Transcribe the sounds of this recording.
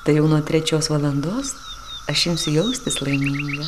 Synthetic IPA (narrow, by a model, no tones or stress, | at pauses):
t̪ɐɪjɛʊnuɔt̪ʲɾʲɛt͡ʃʲoːsʋɐlˠɐnd̪oːs | ɐʃjɪmsʲʊjɛʊsʲt̪ʲɪslˠɐɪmʲiːjɛ